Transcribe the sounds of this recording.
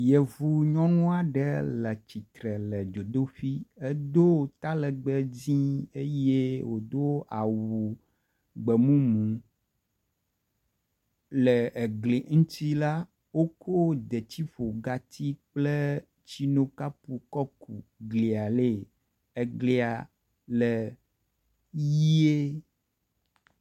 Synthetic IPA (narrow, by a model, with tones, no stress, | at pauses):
jɛ˨vu˨ɲɔ̃˦nũ˦a˨ɖɛ˦lɛ˨t͡ɕi˨t̪ɾɛ˨lɛ˨d͡ʒo˨d̪o˦ɸi˦e˦d̪o˦˨t̪a˦lɛ˨ɡ͡bɛ˦d͡zĩ˦e˦je˦wo˨d̪o˦a˨wu˨ | ɡ͡bɛ˨mũ˦mũ˨ | lɛ˨ɡle˨ŋũ˦t̪i˦la˦ | wo˦kʰo˦d̪e˨t͡ɕi˦ɸo˨ɡa˨t̪i˦k͡plɛ˦ | t͡ʃi˦nõ˦ka˦pu˨kɔ˦ku˨ɡli˨a˨le˦ | e˨ɡle˨a˨ | lɛ˨ | ji˦e˦